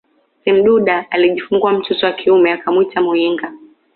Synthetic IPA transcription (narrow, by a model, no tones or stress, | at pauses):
sim̩ɗuɗaːliʄifuŋɡwam̩tutɔwakʰiumɛakamwitamuiŋɡa